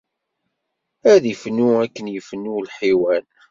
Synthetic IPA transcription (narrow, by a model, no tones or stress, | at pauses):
æðifənːuækːənjəfənːulħiwæl